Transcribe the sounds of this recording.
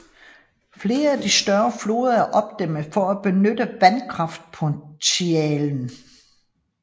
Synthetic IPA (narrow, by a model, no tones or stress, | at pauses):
fle̝ːɐæd̥isd̥ɶɐflo̝̰ːðˠɐæɐʔɒ̽b̥d̥em̰ðˠfɒæb̥e̝nød̥əʋænkʰʁɑ̈fd̥̚pʰɔt͡sʰiɛːln̩